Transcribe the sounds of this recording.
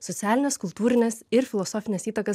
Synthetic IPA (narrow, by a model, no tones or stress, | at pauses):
sɔt̪sʲæːlʲɪnʲɛskʊlˠt̪uːɾʲɪnʲɛsɪɾfʲɪlˠɔsoːfʲɪnʲɛsʲiːt̪ɐkɐ